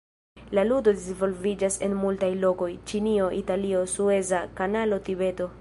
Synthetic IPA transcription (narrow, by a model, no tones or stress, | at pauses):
laludo̞disvo̞lvid͡ʒase̞nmultajlo̞ko̞jt͡ʃinio̞ʔitalio̞sue̞zakanalo̞tibe̞do̞